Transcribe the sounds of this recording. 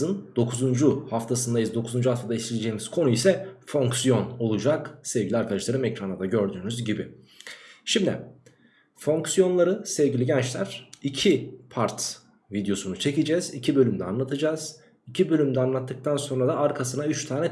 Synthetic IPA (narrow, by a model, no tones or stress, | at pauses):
ɯnd̪̥o̞kʰuzund͡ʒuhaft̪ʰasɯnd̪ajɯzd̪o̞kʰuzund͡ʒuhaft̪ʰad̪aislʲied͡ʒeːmiz̥kʰo̞nuisɛfo̞ŋksijo̞no̞lˠud͡ʒaksɛvɟilʲiaɾkʰad̪aʃlˠaɾɯmɛcɾanad̪aɟø̞ɾd̪yːnyzɟibɪ | ʃimd̪ɪ̰ | fo̞ŋksijo̞nlˠaɾɯsɛvɟilʲiɟɛnt͡ʃlʲæɾ̥icʰipʰaɾt̪ | vid̪jo̞sunut͡ʃʰe̞cid͡ʒɛzicʰibø̞lʲymd̪ɛa̰nlˠat̪ʰɯd͡ʒaːz̥ | icʰibø̞lʲymd̪ɛanlˠat̪ʰːɯk̚t̪ʰanso̞nɾad̪aaɾkʰasɯnayt͡ʃt̪ʰaːnɛ